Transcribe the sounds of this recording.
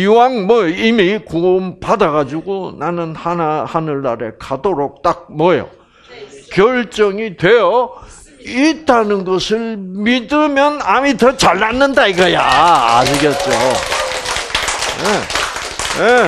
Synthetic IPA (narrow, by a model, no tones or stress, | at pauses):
iwaŋmʌjoimikompadaɣad͡ʑuɡonanɯnhanahanɯɭːaɾḛkʰadoɾok̚t͈ak̚mʌjo̰ | kjʌɭt͡ɕ͈ʌŋitwe̞jʌ | it͈anɯnɡʌsʰɯɭmidɯmjʌnamitʌt͡ɕaɭːanːɯndaiɡaja̰ːɕiɡet̚t͡ɕ͈o | je | je